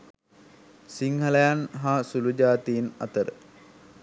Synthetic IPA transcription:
siŋɦɐlɐjanɦasulud͡ʒaːt̪iːna̰t̪əɾə̰

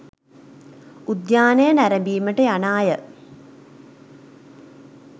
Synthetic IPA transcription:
ud̪jaːnɐjənæɾɐbiːməʈəjanaːjə

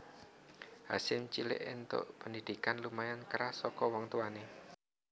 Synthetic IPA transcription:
hasɪmt͡ʃilɪ̰ʔɪnt̪ʊ̰ʔpəndid̪̥i̤kanlumajankɾasɔkɔwɔŋt̪uane

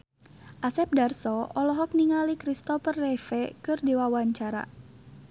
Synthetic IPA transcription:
ʔasɛp̚darsɔʔɔlɔɦɔk̚niŋalikɾist̪ɔfərːɛfɛkɨrdewawaɲt͡ʃaɾa̰

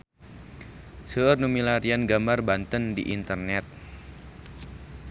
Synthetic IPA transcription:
səərnumilaɾianɡambarbant̪əndḭʔint̪ərnɛt̪̚

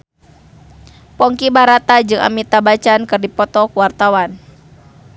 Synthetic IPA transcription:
pɔŋkibaɾat̪ad͡ʒɨŋʔa̰mit̪abat͡ʃankɨrdipɔt̪ɔkwart̪awan

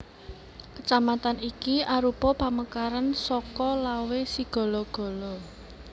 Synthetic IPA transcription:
kət͡ʃamat̪anikiaɾupɔpa̤məkaɾansɔkɔlawesiɡ̥ɔ̤lɔɡ̥ɔ̤lɔ

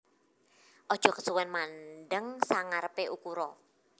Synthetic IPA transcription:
ʔɔd̥ʒ̥ɔ̤kə̥suwɛnmanɖəŋsaŋaɾəpeʔukuɾɔ

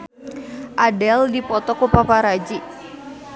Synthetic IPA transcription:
ʔadɛldipɔt̪ɔkupapaɾad͡ʒi

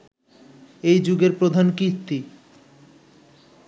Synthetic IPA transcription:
ejd͡ʑuɡeɾpɾod̪ʱankiɾt̪ːi

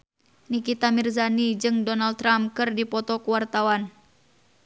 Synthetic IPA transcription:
nikit̪amirzanid͡ʒɨŋdɔnal̚t̪ːɾamkɨrdipɔt̪ɔkuwart̪awan

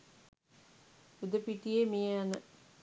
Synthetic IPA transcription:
ud̪əpiʈijemijəanə

